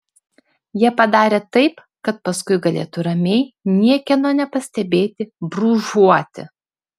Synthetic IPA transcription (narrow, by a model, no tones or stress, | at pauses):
jiɛpɐd̪ɑːɾʲeːt̪ɐɪp | kɐt̪̚pɐskʊɪɡɐlʲḛːt̪ʊɾɐmʲɛɪnʲiɛkʲɛnoːnʲɛpɐsʲt̪ʲɛbʲeːt̪ʲɪbɾuːʒuɔt̪ʲɪ̰